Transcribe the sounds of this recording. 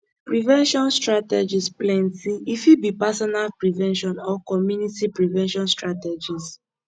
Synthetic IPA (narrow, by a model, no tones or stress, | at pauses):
pɹivɛ̃nʃɔ̃nstɹatɛd͡ʒisplɛ̃ntiifibipasɔnalpɹivɛ̃nʃɔ̃nɔkɔmjunitipɹivɛ̃nʃɔ̃nstɹatɛd͡ʒis